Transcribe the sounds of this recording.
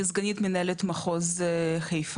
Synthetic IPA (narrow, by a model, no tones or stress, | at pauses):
zɡanit̪menaelet̪maχozχejf